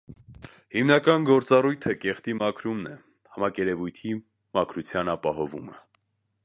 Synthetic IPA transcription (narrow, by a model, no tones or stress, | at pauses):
himnɑkɑnɡɔɾt͡sɑrujt̪ʰəkɛχt̪imɑkʰɾumnɛ | hɑmɑkɛɾɛvujt̪ʰi | mɑkʰɾut͡sʰjɑnɑpɑhɔvumə